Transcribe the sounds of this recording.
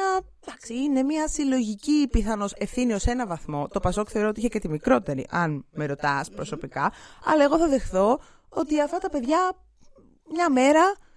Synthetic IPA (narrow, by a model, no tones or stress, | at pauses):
ɐ | t̪ɐksiine̞miɐsilo̞ʝicipiθɐno̞se̞fθinio̞se̞nɐvɐθmo̞t̪o̞pɐso̞kθe̞o̞ɾot̪iiçecet̪imikɾo̞t̪e̞ɾḭʔɐnme̞ɾo̞t̪ɐspɾo̞so̞pikɐɐ̰lɐe̞ɣo̞θɐðe̞xθo̞ | o̞t̪iɐft̪ɐt̪ɐpe̞ðʝɐ | mɲɐme̞ɾɐ